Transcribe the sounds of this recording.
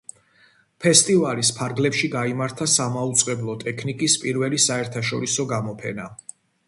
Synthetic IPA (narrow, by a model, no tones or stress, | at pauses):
pʰɛst̪ʼivalispʰaɾɡlɛpʃiɡaimaɾt̪ʰasamaut̪sʼqʼɛblˠɔt̪ʼɛkʰnikʼispʼiɾvɛlisaɛɾt̪ʰaʃɔ̰ɾisɔɡamɔpʰɛna